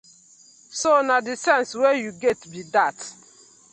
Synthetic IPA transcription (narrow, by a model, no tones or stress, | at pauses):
sonadisɛ̃nswejuɡɛtbidat